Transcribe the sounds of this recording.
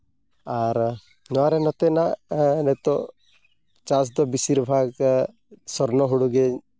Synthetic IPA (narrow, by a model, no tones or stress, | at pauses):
aɾ | nɔaɾɛnɔt̪enanɛt̪ɔ | t͡ʃas̬d̪ɔbisiɾbʱaɡ | sɔɾnɔɦuɽuɡe